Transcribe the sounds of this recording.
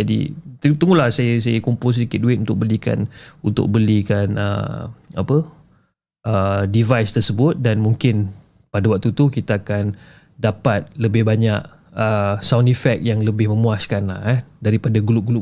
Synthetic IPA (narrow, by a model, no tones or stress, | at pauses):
d͡ʒadḭt̪ət̪əŋɡulahsajəs̬ajakumpʊls̬ədikɪt̪̚duɪt̪̚unt̪ʊk̚bəlika̰nunt̪ʊ̰k̚bəlikanə̰a̰pə | ʔədivajst̪ərsəbʊt̪̚danmũŋkɪn | padawak̚t̪ut̪ukit̪aːkan | dapat̪̚ləbɪhbaɲaʔ̚ | əsawndifɛk̚jaŋləbɪhmə̃muaskanlahɛdaɾipadaɡulʊɡulʊ